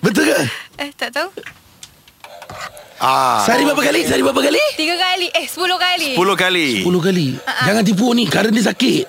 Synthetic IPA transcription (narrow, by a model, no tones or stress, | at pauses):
bət̪ukaət̪at̪aw | asaɾibapakalisaɾibapakalit̪iɡakaliʔehsəpulohkaliəpulohkalisəpulohkaliaʔd͡ʒd͡ʒaŋant̪̬ip̬onikaɾəndis̬akɪʔ